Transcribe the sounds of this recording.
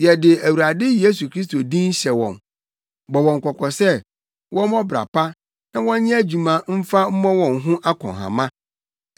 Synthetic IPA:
jɛ˨dɪ˨æ˨wu˨ɾa˨dɪ˦je˦s̬u˨kʰɾi˦s̬to˨dĩ˦n̩˦ɕɛ˨wɔ̰̃˨n | bɔ˨wɔ̃˨ŋ̩˨kʰɔ˨kʰɔ˨sɛ˦ | wʔɔ̃˦mɔ̃˦bɾa̰˨pa˦ | nã˦wɔ̃˦ɲ˦ɲɪ̃˦æ˦d͡ʑu˨mã˨m̩˦fa˦m̩˦mɔ̃˦wɔ̃˨nɦʊ̃˦ʔa˦kʰɔ̰̃˨ɦã̰˨mã˦

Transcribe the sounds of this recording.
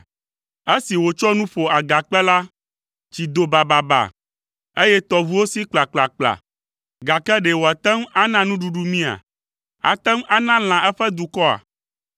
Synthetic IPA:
e˦si˨wo˨t͡ʃɔ˦nũ˦ɸo˨a˨ɡa˨k͡pɛ˦la˦ | t͡ʃi˨d̪o˨ba˨ba˨ba̰˨ | e˦jɛ˦t̪ɔ˨vu˦wo˦si˦k͡pla˨k͡pla˨k͡pla̰˨ | ɡa˨kɛ˦ɖe˨wo˨a˨t̪ɛ˦ma˦nã˦nũ˦ɖu˦ɖu˦mĩ˦a̰˨ | a̰˨t̪ɛ˦ma˦nã˦l̃ã˨ʔɛ˦ɸɛ˦d̪u˨kɔ˦a̰˨

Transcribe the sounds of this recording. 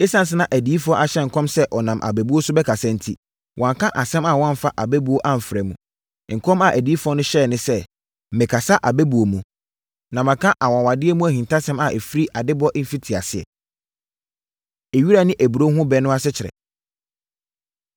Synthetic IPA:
e˦sã˦n˨s̬ɪ˦nã˨ʔæ˨di˨˦i˦fʊ˦ɔ˦ʔa˨ɕɛ˦˨ŋ̩˨kʰɔ̃˦msɛ˦ʔɔ˨nã˨mʔa̰˨bɛ˨bu˦o˦sʊ˦bɛ˦kʰa˨sã˦n̩˦tʰḭ˦ | wʔɔ̃˨ŋ˨kʰã˦ʔa˨sɛ̃˦ma˨wɔ̃˦m˦fa˦ʔa˨bɛ˦bu˨o˦ʔa˦m̩˨fɾɛ˨mũ˨ | ŋ̩˨kʰɔ̃˦ma˨ʔæ˨di˨˦i˦fʊ˦ɔ˦nʊ̃˦ɕɛ˦˨nɪ̃˦sɛ˦ | m̩˨mɪ̃˨kʰa˨sa˦ʔa˨bɛ˦bu˨o˨mũ˨ | nã˨mã˨kʰã˦ʔa˨wɔ̃˨wa˨dɪ˦ɛ˦mũ˦æ˨hĩ˨ntʰa˦sɛ̃˦ma˨ʔe˨fɾi˦ʔa˨dɪ˦bʊ˦ɔ˦ʔ̩˦fi˦tʰi˨a̰˨sɪ˨ɛ̰˨ | e˨ɥi˦ɾa˦nɪ̃˦ʔæ˨bu˨ɾo˦ɦʊ̃˦bɛ˨˦nʊ̃˦a˦sɪ˦t͡ɕʰɪ˨ɾɛ̰˨

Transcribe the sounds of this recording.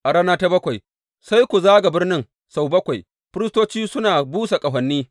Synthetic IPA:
ʔa˨ɾaː˦naː˦ta˦bɐ˦kʷa˨j | sa˦jkʷu˨zaː˦ɡa˨bɪ˦rnɪ˦ŋ | sa˨wbɐ˦kʷa˨j | ɸɪ˦ɾɪ˦stoː˦t͡ʃiː˦sʊ˦naː˨buː˦sa˨kʼɐ˨ɦɐ˨nːiː˦

